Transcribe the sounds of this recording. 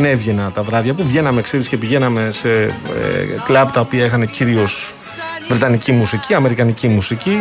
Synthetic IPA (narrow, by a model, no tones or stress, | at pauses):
ne̞vʝenɐt̪ɐvɾɐvʝɐpuvʝe̞nɐme̞kseɾisce̞piʝe̞nɐme̞se̞̰ | klɐpt̪ɐo̞piɐexɐne̞ciɾio̞s | vɾet̪ɐnicimusiciɐme̞ɾikɐnicimusici